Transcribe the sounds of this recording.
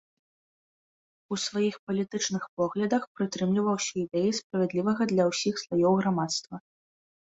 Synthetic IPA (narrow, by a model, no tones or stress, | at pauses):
usvajixpɐlʲit̪ɨt͡ʂnɨxpɔɣlʲɐd̪ɐxpɾɨt̪ɾɨmlʲivɐwsʲɐid̪ɛjispɾɐvʲɛd̪lʲivɐɣɐd̪lʲɐwsʲixslvajɔwɣɾamat̪st̪vɐ